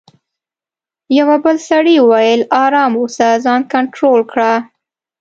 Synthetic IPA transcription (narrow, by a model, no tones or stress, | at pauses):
jawabəlsaɽiwajəlɑɾɑmusazɑnkaɳʈɾolkɽa